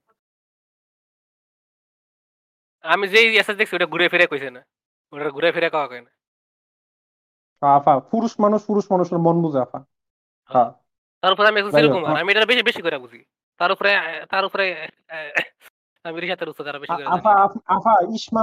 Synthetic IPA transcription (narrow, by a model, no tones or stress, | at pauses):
amizejesazd̪ekʰisieʈaɡʱuɾafiɾakojsena | oʈaɾɡʱuɾafʰiɾakɔkakɔina | ɦãafafuɾuʃmanuʃfuɾuʃmanuʃmɔnbuziafʰa | ɦã | t̪aɾupɔɾeamiɛɡzɔneɾukumaamiejʈaɾɔbeʃibeʃikojɾabuzʱi | t̪aɾupɔɾet̪aɾupɔɾe | amiɾiʃat̪ʰeɾusɔaɾabeʃkoafaafʰaiʃma